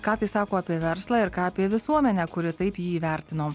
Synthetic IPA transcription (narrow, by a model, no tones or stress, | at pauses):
kɑːt̪ɐɪsɑːkoːɑpʲiɛʋʲɛɾslˠɑːɪɾkɑːɐpʲiɛʋʲɪsuɔmʲɛnʲɛkʊɾʲɪt̪ɐɪpjiːʋʲɛɾʲt̪ʲɪnoː